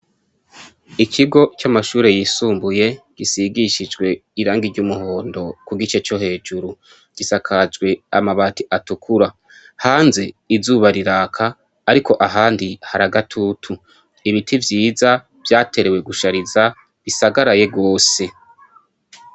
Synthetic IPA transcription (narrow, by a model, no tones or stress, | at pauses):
ikʰiɡo̞t͡ʃamaʃuːɾe̞jiːsuːmbuje̞ɡ̥isiɡiʃid͡ʒɡwe̞iɾaːŋɡiɾɟuːmuɦo̞ːndo̞kuɡit͡ʃe̞t͡ʃo̞he̞ːd͡ʒuɾu | ɡ̥isakʰad͡ʒɡwe̞amaβaːtiʔatukʰuɾa | haːnze̞izuːβaɾiɾaːkʰaː | ɾikʰo̞ʔaɦaːndihaɾaɡatʰutʰu | iβitʰivjiːza | v̥jaːte̞ɾe̞we̞ɡuʃaɾiza | βisaɡaɾaje̞ɡo̞ːse̞